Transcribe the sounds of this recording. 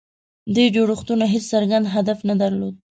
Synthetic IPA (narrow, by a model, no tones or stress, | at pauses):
d̪ujd͡ʒoɽoxt̪unaɦet͡ssaɾɡand̪ɦad̪afnad̪aɾlod̪̚